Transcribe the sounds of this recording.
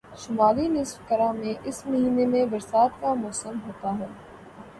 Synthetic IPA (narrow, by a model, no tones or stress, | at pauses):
ʃʊmaːlinɪsfkɐɾamẽʔɪsmɐɦiːnemẽbɐɾsaːt̪kamɔːsəmɦoːt̪aɦɛː